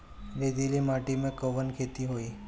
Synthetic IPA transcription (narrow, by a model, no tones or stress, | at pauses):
ɾed̪ilimaʈimẽkəʋənkʰet̪iɦoi